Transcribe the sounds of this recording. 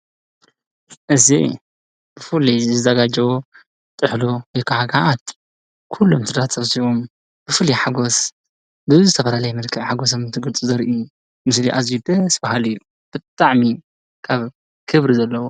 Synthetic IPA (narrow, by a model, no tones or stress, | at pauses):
ʔɨzḭ | b̥ɨfɨlizɨzɐɡad͡ʒɐwo | t̪ʼɨħlowɔjkʰaʕaɡaʔat̪ | kʰulːomt̪ʰɨd̪at̪sɐβsiβom | b̥ɨfɨliħaɡo̞s | bɨzɨt̪ʰɐfɐlalɐjɛmɨlkʰɐβħaɡos̬omt̪ʰɨɡɨlt͡sʼuzɐɾʔiju | mɨsliʔazid̪ɐsbahalɨjːu | b̥ɨt̪ʼaʕmi | kʰaβ | kʰɨβɾizɐlːɐwo